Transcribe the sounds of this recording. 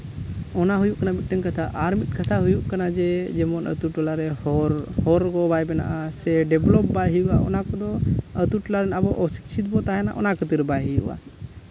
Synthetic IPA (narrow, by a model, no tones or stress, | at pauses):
ɔnaɦujuʔkanabit̪̚ˀʈɛŋkat̪ʰaʔaɾmit̪̚ˀkʰat̪ʰaɦujuʔkanad͡ʒɛd͡ʒɛmɔnə̰t̪uʈlaɾɛɾhɔɾɡɔbajbɛna̰ʔasɛɖɛblɔp̚bajɦujuʔa̰ɔ̰nakɔd̪ɔət̪uʈlaɾɛnabɔʔɔsi̥k̚t͡ʃʰit̪bɔt̪aɦɛna̰ʔɔ̰nakɔt̪iɾbajɦujṵʔa̰